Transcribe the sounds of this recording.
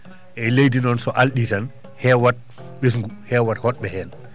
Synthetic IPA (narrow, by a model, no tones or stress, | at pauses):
ʔɛlejdinɔnsɔʔalɗitan | hɛːwat̚ | ɓes̬ŋɡuhɛːwathɔɗ̚ɓɛhɛːn